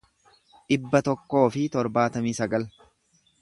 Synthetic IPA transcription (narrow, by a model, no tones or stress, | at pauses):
ᶑɪbːɐt̪ɔkːo̞ːfɪt̪ɔɾbaːt̪ɐmiːsɐɡɐl